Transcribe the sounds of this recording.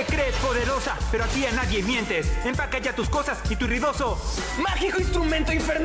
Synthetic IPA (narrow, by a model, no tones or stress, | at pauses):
ekɾespo̞ðe̞ɾo̞sape̞ɾoasianaðje̞mje̞nt̪e̞sempakaʝat̪usko̞sasit̪uriðo̞so̞ | maxikoinst̪ɾumẽnt̪oiɱfeɾn